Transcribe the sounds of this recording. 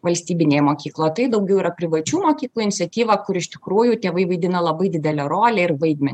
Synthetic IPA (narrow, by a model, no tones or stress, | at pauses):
ʋɐlʲsʲt̪ʲiːbʲɪnʲeːjɛmoːkʲiːklˠoːjt̪ɐɪd̪ɐʊɡʲɛʊiːɾɐpʲɾʲɪʋɐt͡ʃʲuːmoːkʲiːlˠuːɪnʲɪsʲɛt̪ʲiːʋɐkʊɾɪʃʲt̪ʲɪkɾuːjuːt̪ʲeːʋɐɪʋɐɪd̪ʲɪnɐlˠɐbɐɪd̪ʲɪd̪ʲɛlʲɛɾoːlʲɛɪrʋɐɪd̪ʲmʲɛnʲ